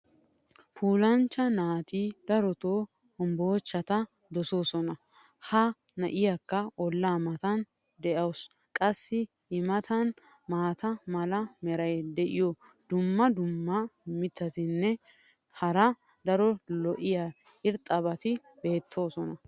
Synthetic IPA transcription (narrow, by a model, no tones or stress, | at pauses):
pʰuːlɐnt͡ʃːɐnaːt̪iːd̪ɐɾɔt̪oː | ɔmboːt͡ʃːɐt̪ɐ | d̪ɔso̞ːsɔnɐ | hɐ | nɐʔɪjakːɐɔlːaːmɐt̪ɐn | d̪ɛʔɐws | kʼɐsːɪ | ɪmɐt̪ʰɐn | maːt̪ɐmɐlɐmɛɾɐjd̪ɛʔɪjɔ | d̪ʊmːɐd̪ʊmːɐmɪt̪ːɐt̪ɪnːɛ | hɐɾɐ | d̪ɐɾɔlɔʔɪja | ɪɾt̪ʼɐβɐt̪ɪ | be̞ːt̪ʰːo̞ːsɔnɐ